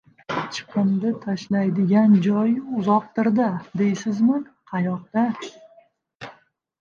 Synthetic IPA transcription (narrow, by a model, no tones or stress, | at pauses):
t͡ʃʰɨ̥qʰɨmd̪at̪ʰaʃlajd̪ɪɡʲand͡ʒɒjʊzɒq̚t̪ɪɾd̪ad̪e̞jsɪzmanqʰɑjɒq̚d̪a